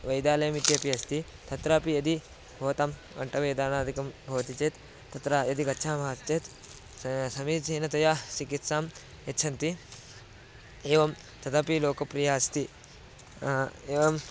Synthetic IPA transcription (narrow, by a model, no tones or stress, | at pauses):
ʋɐjd̪aːlɐjɐmit̪jɐpiɐst̪i | t̪ɐt̪ɾaːpijɐd̪i | bʱoːt̪am | ʋɐ̰ɳʈɐʋɐjd̪aːnaːd̪ʱikɐmbʱɐʋɐt̪it͡ʃeːt̪ː | ɐt̪ɾajɐd̪ikɐtːt͡ʃʰaːmaːt̪t͡ʃeːt̪ | sɐmiːd͡ʒiːnɐt̪ɐjaːt͡ʃikit̪saːm | jɐtːt͡ʃʰɐnt̪i | eːʋɐm | t̪ɐt̪ʰɐpiloːkɐpɾijaːɐst̪i | eːʋɐm